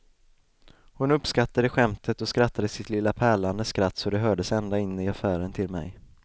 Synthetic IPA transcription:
hʊnɵpskat̪ːad̪əɧɛmt̪ʰət̪ɔskɾat̪ːad̪əsɪt̪lɪlːapʰæːɭand̪əskɾat̪ːsɔd̪ɛɦœːɖəsɛnd̪aɪnːɪafæːɾənt̪ʰɪlmɛ̰j

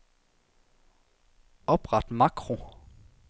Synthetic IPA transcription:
ɔpʁɑt̪mɑkʁʊ

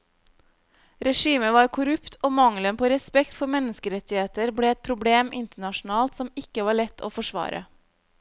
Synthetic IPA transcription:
ɾɛʃiːməʋɑːɾkʰʊɾʉpt̪ʰoːmɑŋlənpʰoːɾɛspɛkt̪fɔmɛnəskəɾɛt̪ɪheːt̪əɾbɽeːɛt̪̚pʰɾʊbleːmʔɪnt̪əɳɑʃn̩ɑːlt̪sɔmɪkəʋɑːɭɛt̪ʰo̰ːfɔʂʋɑ̰ːɾʔə̰

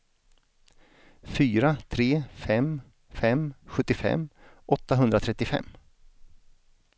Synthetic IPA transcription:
fyːɾat̪ʰɾeːfɛm | fɛmɧɵt̪ːɪfɛ̰mːʔɔt̪ːaɦɵnd̪ɾat̪ʰɾɛt̪ːɪfɛ̰mː

